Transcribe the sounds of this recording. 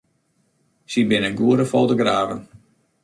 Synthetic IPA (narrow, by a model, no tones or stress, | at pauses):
sibɪnənɡuəɾəfolˠtəɡraːvən